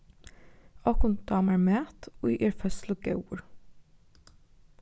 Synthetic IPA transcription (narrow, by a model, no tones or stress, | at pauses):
ɑːkʊnt̪d̪̥ɑːmæːɹmæːt̪oːiʔeːɹfœslʊɡœ̰ʊɹ